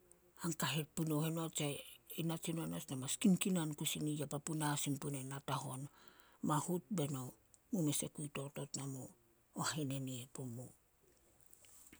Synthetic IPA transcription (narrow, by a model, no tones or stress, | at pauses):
aŋkaɦet̚punohenoat͡ʃainat͡ʃinoanasnamaskimkinankusinijapapunasimpunenataho̞n | mahut̚be̞no | mumese̞kujto̞to̞tnamoː | haeneniepomo